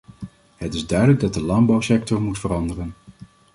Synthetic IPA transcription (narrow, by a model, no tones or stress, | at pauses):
ɦətɪzdœɥdələɡ̚dɑt̚dəlɑnbɑwsɛk̚tɔɹmutfərɑndərən